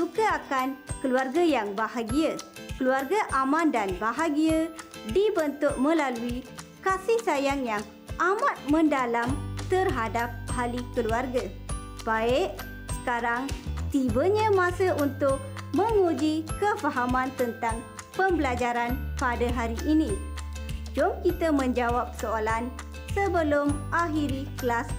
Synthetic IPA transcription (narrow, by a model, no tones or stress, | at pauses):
sukəakankəluarɡajaŋbahaɡiəkəluarɡaʔamãndanbaɦaɡiadibənt̪ʊʔ̚mə̃laluikasɪhsajaŋjaŋ | ʔamat̪̚mə̃ndalamt̪ərɦadap̚halikəluarɡə | b̥aɪʔ | sə̥kaɾaŋt̪ibəɲə̃mãsəʔunt̪ʊk̚ | mə̃ŋud͡ʒikəfaɦamãnt̪ənt̪aŋ | pəmbəlad͡ʒaɾanpadaɦaɾiʔːnĩ | d͡ʒɔmkit̪əmə̃ɲd͡ʒawap̚soolan | səbəlʊmaɦiɾikəlas